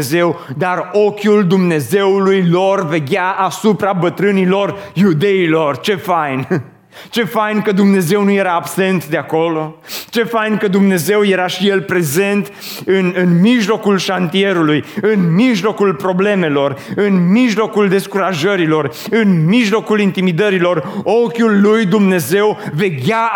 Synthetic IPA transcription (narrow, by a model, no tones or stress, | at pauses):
ze̞wd̪aro̞kʲuld̪umne̞ze̞ulujlo̞rve̞ɡʲaʔasupɾabət̪ɾɨnilo̞rjud̪e̞ilo̞rt͡ʃe̞fajn | t͡ʃe̞fajnkəd̪umne̞ze̞wnuje̞ɾaːbse̞nt̪d̪e̞ako̞lo̞t͡ʃe̞fajnkəd̪umne̞ze̞wje̞ɾaʃije̞lpɾe̞ze̞nt̪ | ɨnɨnmiʒlo̞kulʃant̪ie̞ɾulujɨnmiʒlo̞kulpɾo̞ble̞me̞lo̞rɨnmiʒlo̞kuld̪e̞skuɾaʒəɾilo̞r | ɨnmiʒlo̞kulint̪imid̪əɾilo̞ro̞kʲulːujd̪umne̞ze̞wve̞ɡʲa